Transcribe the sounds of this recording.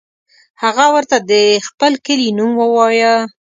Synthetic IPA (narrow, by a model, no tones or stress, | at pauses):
haɣawəɾt̪ad̪əxpəlkəlinumwəwɑjə